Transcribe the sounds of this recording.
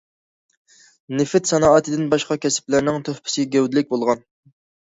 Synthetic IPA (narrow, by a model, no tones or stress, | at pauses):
nɪfɪt̪sɑnɑːɑt̪ʰɪd̪ɪnbɑʃqɑkʲɛsɪ̥plɪɾnɪŋt̪ʰøhpʰɪ̥sɪɡʲɛwd̪ɪlɪk̚ʲbolˠʁɑn